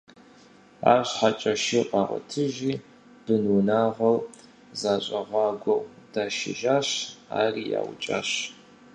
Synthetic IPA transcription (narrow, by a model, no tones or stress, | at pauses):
a̰ːɕʷħat͡ʃʼɐʃiqʼɑːʁɐ̰tʰɨʒiː | b̥ɨnwʊnaːʁɐw | zaːɕʼɐʁɑːɡʷɔw | d̥aːʃɪ̰ʒaːɕa̰ːriːja̰ːw̰t͡ʃʼa̰ːɕ